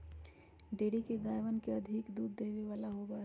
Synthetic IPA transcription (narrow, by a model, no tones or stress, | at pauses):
ɖeːɽikeɡaːjʋənkeɐd̪ʱɪkd̪uːd̪ːeːʋiʋaːlaɦoba